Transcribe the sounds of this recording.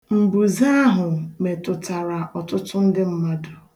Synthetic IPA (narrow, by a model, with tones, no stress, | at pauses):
m̩˨bu˨za˦ɦʊ˨me˨tʊ˨ta˨ɾa˨ʔɔ˨tʊ˦tʊ˦n̩˦dɪ˦m̩˦ma˦dʊ˨